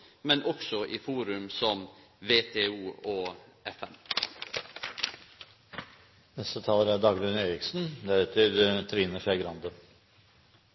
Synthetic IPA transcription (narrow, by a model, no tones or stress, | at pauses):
mɛnʔɔksɔʔiːfuːɾʉmsɔmʋeːt̪ʰeːuːoː | ɛfɛm | nɛst̪ət̪ʰɑːləɾæɖɑɡɾʉneːɾɪksn̩d̪æɾʉːt̪ʰɪd̪t̪ʰɾiːnəʃæɡɾɑnd̪ə